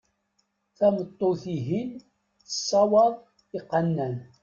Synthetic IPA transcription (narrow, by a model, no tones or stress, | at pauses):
θæmət̪ˤːoθiɦin | θə̥sˤːɑwɑðˤ | iqːənːæn